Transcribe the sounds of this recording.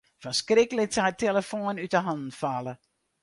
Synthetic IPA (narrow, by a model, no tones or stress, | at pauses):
fəskrɪkələk̚tateləfoːnytəɦɑndn̩falə